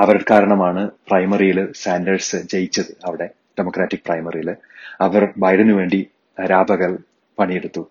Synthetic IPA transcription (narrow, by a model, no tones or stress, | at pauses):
ɐʋɐɾuɽkaːɾɐɳɐmaːɳɨprɐjmɐrijilsaːndɐrsɨt͡ɕejit͡ɕːɐðɨɐʋiɽe̞ | ɖ̥emokraːtːik̚prɐjmɐrijil | ɐʋɐrbɐjɖenːɨʋe̞ːɳɖi | ɐɾaːbʱɐɣɐɭ | pɐɳijeɽut̪ːu